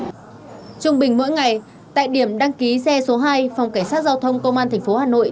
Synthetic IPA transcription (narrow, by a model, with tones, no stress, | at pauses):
t͡ɕʊ˧ŋ͡mɓï˨˩ŋ̟mo̰˧˥jŋa˨˩j | t̪a̰ː˧˨jɗi˧˩əmɗa˧ŋki˨˦sɛ˧so˨˦ɦaː˧jfa˨˩wŋ͡mka˧˩ŋsaː˦˥t̚zaː˧wt̪ʰə˧wŋ͡mkə˧wŋ͡mʔaː˧t̪ʰa˨˩ŋ̟fo˨˦haː˨˩no̰˧˨ʔ